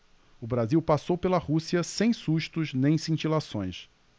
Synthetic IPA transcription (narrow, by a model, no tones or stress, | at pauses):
ʊbɾaziwpasowpelɐhusiɐsẽj̃suʃt̪ʊznẽj̃sĩt͡ʃilasõj̃s